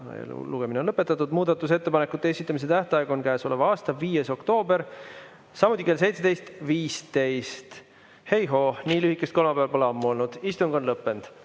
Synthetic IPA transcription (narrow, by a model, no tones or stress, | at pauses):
luɡ̥e̞minenlɤpːˑe̞t̪ːˑɑt̪ːˑud̪̥muːd̪̥ɑt̪ːˑus̬e̞t̪ːe̞pɑnekːˑut̪ːˑeesit̪ːˑɑmis̬e̞t̪æht̪ɑeɡ̥ɑonkæːso̞levɑɑːst̪ɑviːje̞so̞kt̪o̞ːbe̞ɾ | sɑmut̪ʲːˑike̞lse̞jt̪sed̪e̞jst̪viːst̪e̞jst̪ | he̞jɦo̞ːniːlyhikːˑe̞st̪ko̞lmɑpeɑlpɑleɑmːuo̞lnud̪̥ist̪uŋɡ̥o̞nlɤpːˑe̞nd̪̥